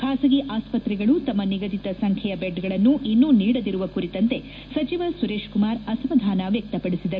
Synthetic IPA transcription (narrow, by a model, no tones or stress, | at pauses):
kʰaːsɐɡiʔaːspɐt̪ɾiɡɐɭut̪ɐmːɐniɡɐd̪it̪ɐsɐŋkʰjɛjɐbeɖɡɐɭɐnːuʔinːuːniːɽɐd̪iɾuʋɐkuɾit̪ɐnt̪e̞ | sɐt͡ʃiʋɐsuɾeːʂkumaːɾɐsɐmɐd̪ʱaːnɐʋjɐk̚t̪ɐpɐɽisid̪ɐɾu